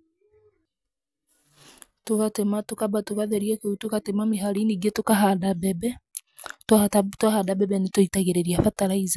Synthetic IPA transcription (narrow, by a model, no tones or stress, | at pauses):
tokatematokabatoɣaðɛɾiɛkeutokatemameɦaɾiniɡetokaɦadabɛbɛ | ttatwahadabɛbɛnetoitaɣeɾeɾiafataɾaiza